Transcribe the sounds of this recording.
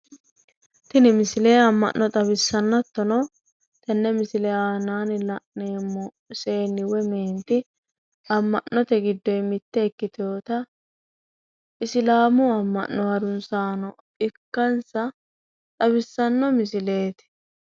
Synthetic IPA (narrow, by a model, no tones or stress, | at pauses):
t̪ɪnɪmɪsɪleːɐmːɐ̰ʔːɔt̪ʼɐbɪsːɐnːɔt̪ːɔnɔ | t̪ɐnːɛmɪsɪlɛaːnaːnɪlɐʔneːmːɔ | se̞ːnːɪwɛmeːnt̪ɪ | ɐmːɐnːɔt̪ɛɡɪd̪ːɔjmɪt̪ːɛːkːɪt̪oːt̪ɐ | ʔɪsɪlaːmʊɐmːɐ̰nːɔhɐɾʊnsaːnɔ | ɪkːɐnsɐ | t̪ʼɐbɪsːɐnːɔmɪsɪle̞ːt̪ɪ̥